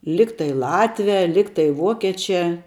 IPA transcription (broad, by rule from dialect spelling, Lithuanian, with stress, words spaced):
ˈlʲɪktɐɪ ˈlˠɑːtʲʋʲɛ ˈlʲɪktɐɪ ˈʋuɔkʲeːt͡ʃʲɛ